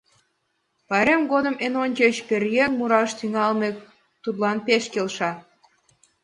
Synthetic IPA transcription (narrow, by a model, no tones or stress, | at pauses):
pɑɾemɡod̪ə̆menonʲt͡ɕet͡ɕperjeŋmuɾɑʃt̪yŋɑlmek̚ | t̪ut̪lɑnpeʃkelʃɑ